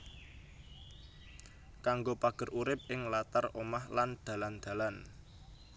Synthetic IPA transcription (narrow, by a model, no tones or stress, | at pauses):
kaŋɡopaɡ̥ə̤rʔuɾɪp̚ɪŋlat̪aromahland̪̥ä̤land̪̥ä̤lan